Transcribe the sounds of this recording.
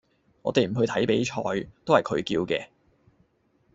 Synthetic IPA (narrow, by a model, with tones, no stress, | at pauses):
ŋɔː˨˧t̪e˨jm̩˨˩ɦɵ˧t̪ʰɐ˨˥jpe˨˥jt͡ʃʰɔː˧jt̪o˥whɐ˨jkʰɵ˨˧ɥkiː˧wkɛ̰ː˧